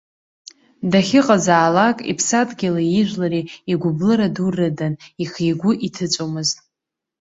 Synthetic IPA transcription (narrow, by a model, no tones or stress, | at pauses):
daχʲɪqʼazaːlakʼḭpʰsatʼɡʲɪlajɪʒᶣʷlaɾiiɡʷʊblɨɾadurɨdaniχiɡʷʊʔitʰɨt͡sʷʼomɨztʼ